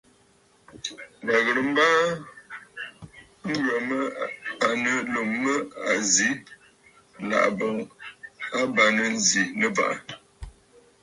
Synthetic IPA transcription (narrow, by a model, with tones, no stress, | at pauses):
ba˨ɣə˨ɾə˨m̩˦baː˦ | ŋ̩˦ɡɥə˨mə˦a˨nə˨lo˨mːə˦a˨zi˨˦ | la̰˨ʔbə˨ŋ | a˦ba˨nə˨n˦zi˨nə˨pa̰˦˨ʔa˨